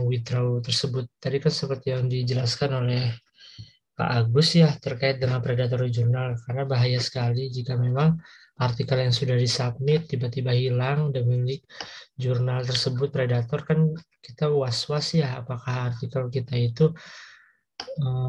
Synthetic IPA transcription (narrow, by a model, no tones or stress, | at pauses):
wit̪ɾawt̪ərsəbʊt̪ːadikansəpərt̪ijaŋdid͡ʒəlaskanolɛh | pa̰ʔaɡʊsjaht̪ərkaɪt̪̚dəŋanpɾedat̪ɔrd͡ʒurnalkarnabaɦajasə̥kalid͡ʒikamemaŋ | ʔart̪ikaljaŋsudahdisap̚nɪt̪ːibat̪ibahilaŋdəminɪk̚d͡ʒurnalt̪ərsəbʊt̪̚pɾedat̪ɔrkankit̪awaswasjaapakahart̪ikalkit̪ait̪u | ə